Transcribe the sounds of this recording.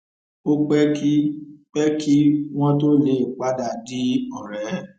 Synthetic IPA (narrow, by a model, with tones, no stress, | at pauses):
o˦k͡pɛ˦ki˦k͡pɛ˦ki˦w̃ɔ̃˦to˦le˨˦˨k͡pa˦da˨di˨˦ɔ˦˨ɾɛ˨˦